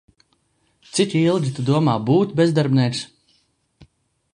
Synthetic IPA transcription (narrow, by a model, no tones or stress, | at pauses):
t̪sit̪ʲilˠɡʲit̪ud̪uɔmaːbuːt̪bʲezd̪aɾbnɛks